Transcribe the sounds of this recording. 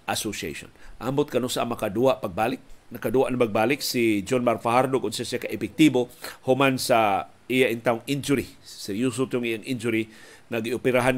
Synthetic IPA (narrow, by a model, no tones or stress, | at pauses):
ʔasosiḛjʃo̰nʔambʊt̪̚kanosaamakad̪uaʔpaɡ̚baːlɪk̚nakad̪uaʔnapaɡ̚baːlɪksid͡ʒonmaɾfahaɾd̪okʊnsasakaʔɪpɛk̚t̪ibohʊmansa | ijaʔiŋt̪aʊŋind͡ʒʊɾisajus̬ut̪oŋʔijaŋʔind͡ʒʊɾi | ŋaɡiʔopɪɾaɦan